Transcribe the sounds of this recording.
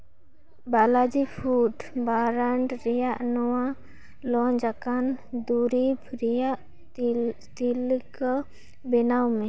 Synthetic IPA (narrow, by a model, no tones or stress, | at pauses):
balad͡ʒipʰuʈbaɾaɳɖɾɛjaʔnɔwa | lɔɲd͡ʒakand̪uɾibʰɾijaʔ | t̪ilkɔ | bɛnawmɛ